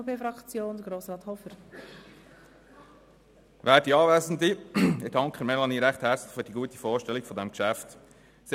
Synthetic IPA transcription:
pʰeːfɾɑkt͡sjoːnd̥̪əɡɾoːsrɑːt̪hɔfəɾ | ʋæːdiɑːʋɛːzn̩diɪdɑŋkʰχəmɛlɑniːɾæχthɛɾt͡slɪ̥χfyːɾdiɡuət̪ifoːɾʃtɛlikfɔdɛmkʃæft | s

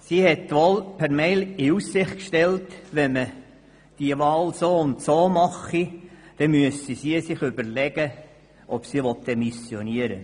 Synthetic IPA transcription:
sihɛtʋɔlpʰæɾmɛɪlɪussɪχtkʃtɛltʋɛmə | d̥iəʋɑːlsoːʊntsoːmɑχid̥ɛmyəsisiəsɪχʏbəɾlɛɡ̥ə | ʔɔpsiʋɔtdɛmisjɔniəɾə̰

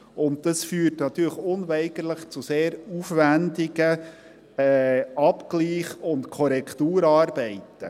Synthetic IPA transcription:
ʊnt̚d̥ɑsfyːɾtnɑt̪yːɾləχʊnʋɛɪɡəɾləχt͡suseːɾufʋændɪɡə | ɛɑpkliːχʊntkʰɔɾɛkʰtuːɾɑːɾbɛɪtə̰

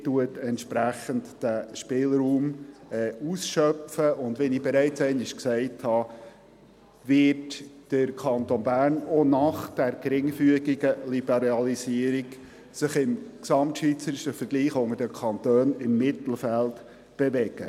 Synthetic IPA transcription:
tuətɛntʃpɾæχəntd̥æʃpɪːlɾuːmɛːusʃœpfəʔʊndʋɛnibɛɾæɪt͡sɛɪnɪʃksɛɪthɑ | vɪtd̥əɾkʰɑntonbæːrnonɑχd̥æɾɡɾɪŋfyəɡiɡəlibɛɾɑlisiəɾiɡ | sɪχɪmksɑmtʃʋiːt͡səɾɪʃəfəɾɡ̥liːχʊŋəɾdəkʰɑnt̪øːnɪmːɪt̪l̩fælt | b̥eʋɛɡ̥ə̰

